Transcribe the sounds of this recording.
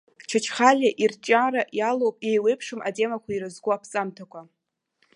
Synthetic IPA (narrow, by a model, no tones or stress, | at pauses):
t͡ʃʰat͡ʃʰχalʲaʔirt͡ʃʼaɾaʔjalowpʼjejwejpʰʂɨma̰tʼe̞makʷaiɾɨzɡʷʊapʰsʼamtʰakʷʰa